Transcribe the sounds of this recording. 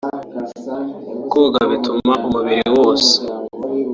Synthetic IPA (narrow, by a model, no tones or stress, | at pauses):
koɡaβitumaʔumuβiɾiwo̞ːse̥